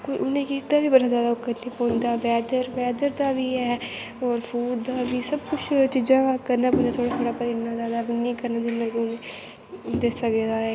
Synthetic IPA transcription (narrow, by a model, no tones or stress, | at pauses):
koʔʊnẽːkid̪aːʋiːbəɾaːzaːd̪akəɾnĩːpɔːnd̪aːʋɛːd̪əɾʋɛːd̪əɾd̪aːʋiːɛː | ɔːɾpʰuːɖd̪aːʋiːsəbkʊt͡ʃʰt͡ʃiːd͡ʒãːkəɾnaːpɔ̃ːnd̪aːt̪ʰoːɽaːt̪ʰoːɽaːpəɾɪnaːzaːd̪aːʋinĩːkəɾnaːd̪ɪnːãːkːʊnẽː | d̪eːsəked̪aːɛː